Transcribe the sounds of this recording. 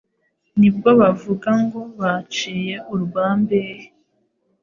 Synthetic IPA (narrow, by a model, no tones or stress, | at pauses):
nib̚ɡo̞βavuɡaŋɡo̞βat͡ʃiːjeuɾuɡaːmbehe